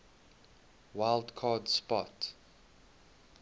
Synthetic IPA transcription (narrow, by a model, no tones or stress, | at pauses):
waɪldkʰɑdspɔt